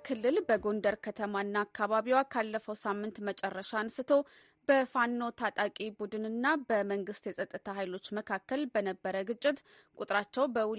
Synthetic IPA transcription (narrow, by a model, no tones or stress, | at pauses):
kʰɨlːɨlbəɡo̞ndəɾkʰət̪ʰəmaɨnːaːkʰːaβaβiwakʰalːəfəwsamːɨnt̪mət͡ʃʼɛrːəʃansɨt̪ʰo̞ | bəfanːo̞t̪ʰat̪ʼakʼibud̪ɨnɨnːabəməŋɡɨst̪jɛsʼət̪ʼːɨt̪ʰaɦajlo̞t͡ʃːməkʰakːəlbənəbːəɾəɡɨt͡ʃʼːɪt̪ | kʷʼut̪ʼɾat͡ʃːɛwbəwʊ